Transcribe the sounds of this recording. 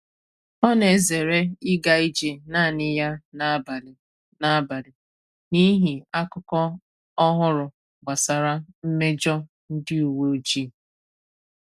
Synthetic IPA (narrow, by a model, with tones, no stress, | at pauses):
ɔ˦ne˨ze˨ɾe˦ɪ˦ɡa˦˨i˦d͡ʒe˨na˦˨nɪ˦ja˦n˦˨ | na˦ba˨ɾɪ˨ | ni˦ɦi˨a˦kʊ˦kɔ˦ | ɔ˦ɦʊ˦ɾʊ˨ | ɡ͡ba˨sa˨ɾa˦m̩˦me˦d͡ʒɔ˦ | n̩˦dɪ˦u˨wo˦o˦d͡ʒi˦˨